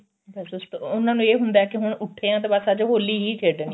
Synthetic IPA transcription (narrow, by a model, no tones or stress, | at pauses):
bəsʊst̪ʊnãːnũːeːɦʊnd̪aɛːkɪɦʊɳʊʈʰːeːãːt̪eːbasaːd͡ʒɦoːlːiːɦiːkʰeːɖniː